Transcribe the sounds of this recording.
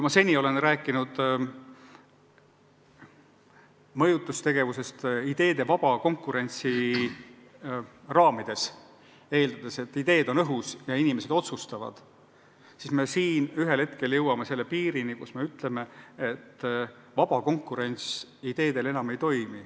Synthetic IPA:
kujmɑse̞nʲːio̞le̞nræːkːˑinud̪̥ | mɤ̞jut̪ːˑust̪e̞ɡe̞vuse̞st̪id̪̥e̞ːd̪̥e̞vɑb̥ɑko̞ŋkːˑuɾe̞nʲt̪si | rɑːmid̪̥e̞s | e̞ːld̪ɑd̪̥e̞se̞t̪ːˑid̪e̞ːd̪̥o̞nɤɦusjɑinimese̞d̪̥o̞t̪sust̪ɑvɑ̰d̪̥ | sisme̞siːnyɦelhe̞t̪ke̞ljɤwɑmese̞lːe̞piːɾinikusme̞yt̪ˑle̞me̞ːt̪ː | vɑb̥ɑko̞ŋkˑːuɾe̞nʲt̪sid̪e̞ːd̪̥e̞le̞nɑme̞jt̪o̞jmi

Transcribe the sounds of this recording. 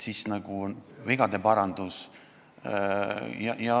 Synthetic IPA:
sisnɑɡ̥uonviɡ̥ɑd̪e̞pɑɾɑnd̪̥us | jɑ̰jɑ

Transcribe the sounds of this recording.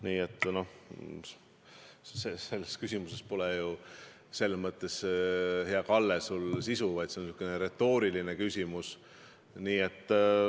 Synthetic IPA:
niːet̪ˑːno̞h | see̞lːeskysʲimuse̞spo̞lɛju | se̞lːmɤt̪ːˑe̞sheɑkɑlːesulsisuvɑjt̪seonsiukːˑeneɾe̞t̪ːˑo̞ːɾilinekysʲimus | niːe̞t̪ːˑ

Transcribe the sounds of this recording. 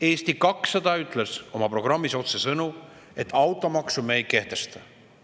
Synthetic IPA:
e̞ːst̪ikɑksːɑd̪ɑyt̪ˑle̞so̞mɑpro̞ɡ̥rɑmːiso̞t̪se̞sɤnu | e̞t̪ːˑɑwt̪ˑːo̞mɑksumejke̞ht̪e̞st̪ɑ

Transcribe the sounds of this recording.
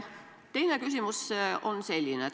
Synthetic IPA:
t̪e̞jne̞kys̬ʲimuso̞nse̞lʲːine

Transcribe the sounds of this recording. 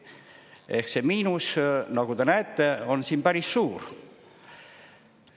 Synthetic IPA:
e̞hksemiːnusnɑkut̪enæet̪ːeo̞nsiːnpæɾisːuːr

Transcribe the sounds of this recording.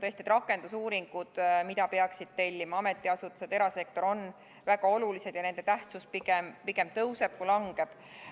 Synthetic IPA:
t̪ɤst̪it̪rɾɑkːˑe̞nd̪̥usuːɾiŋɡ̥ud̪̥mid̪ɑpeɑksid̪̥̚t̪e̞lʲːimɑɑme̞t̪ːˑiɑsut̪ːˑuse̞d̪e̞ɾɑse̞k̚t̪o̞ɾo̞n | væɡ̥ɑo̞lulise̞d̪jɑne̞nd̪e̞t̪æht̪sus̚piɡempike̞mt̪ɤwse̞b̥̚kulɑŋɡ̥e̞b̥

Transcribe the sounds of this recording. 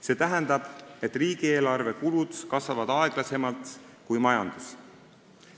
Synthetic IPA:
se̞ːt̪æɦænd̪̥ɑb̥e̞t̪ːˑriːɡ̥ie̞ːlɑrve̞kulud̪̥kɑsvɑvɑd̪̥ɑe̞ɡ̥lɑse̞mɑlt̪ˑ | kujmɑjɑnd̪̥us

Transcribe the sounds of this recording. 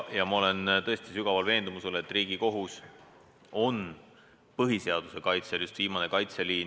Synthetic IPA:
jɑmɑo̞le̞nt̪ɤ̞e̞st̪isyɡ̥ɑvɑlve̞ːnd̪umusele̞t̪ːˑriːɡ̥iko̞ɦus | o̞n | pɤɦise̞ɑd̪̥use̞kɑjt̪seljust̪viːmɑne̞kɑjt̪seliːn

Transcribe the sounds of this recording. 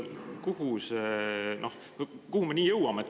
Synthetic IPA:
kuhusenoh | kuhume̞niːjɤwɑmeet̪ː

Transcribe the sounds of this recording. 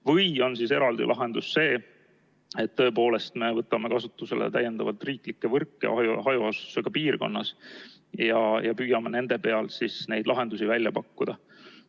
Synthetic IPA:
vɤjo̞nsise̞ɾɑld̪ḭlʔɑɦe̞nd̪usːe̞ː | e̞t̪ːɤ̞e̞po̞ːle̞st̪me̞vɤt̪ːˑɑmekɑsut̪ːˑuse̞̰lʔḛt̪æjːe̞nd̪̥ɑvɑlt̪riːklikːe̞vɤrkːˑḛɑjuɦɑjuɑsu̥seɡ̥ɑpiːrko̞̰nːɑs | jɑjɑpyːjɑmene̞nd̪̥e̞pe̞ɑlsisne̞jd̪lʔɑɦe̞nd̪̥usivælʲjɑpɑkːud̪̥ɑ

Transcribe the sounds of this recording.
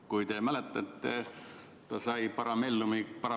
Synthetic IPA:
kujt̪emælet̪ːɑt̪ːe | t̪ɑsɑjpɑɾɑmelːumipɑɾɑ

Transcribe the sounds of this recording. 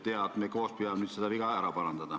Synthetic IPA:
t̪eɑt̪nekoˑspiɑˑnnyt̪sit̪æʋikɑeɾɑpɑrɑnt̪ɑt̪ɑ

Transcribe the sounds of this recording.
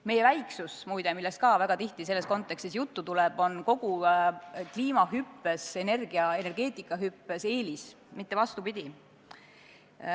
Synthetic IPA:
me̞jevæjksusmujd̪emilːest̪kɑːvæɡ̥ɑt̪iht̪ise̞lːe̞sko̞nt̪ːˑe̞kst̪isjut̪ːut̪ulɛb̥o̞nko̞ɡ̥u | kliːmɑɦypːese̞ne̞rɡ̥iɑe̞ne̞rɡ̥e̞ːt̪ˑikːˑɑɦypːˑese̞ːlis | mit̪ːe̞vɑst̪upid̪̥ʲi

